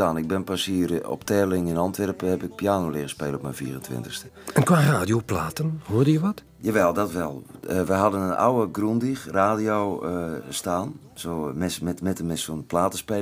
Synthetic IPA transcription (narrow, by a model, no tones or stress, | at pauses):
aːnɪɡ̚bɪnpasiərɔ̰ptʰɛlɪŋɛnɔntʋɛrphɛpɪk̚piaːnolɪːɣəspeːləɔpmɛjnfḭərəntʋɪ̰ntəxstə̥ | ənkʋaːraːdijoplaːtənhuərdəjəʋɔt | jaʋɛlˠdɔtʋɛlˠʋəjɦɑdənənʔa̰wəɡrundixraːdiowstaːn | somɛsmɛtmɛtəmɛsonplaːtəspe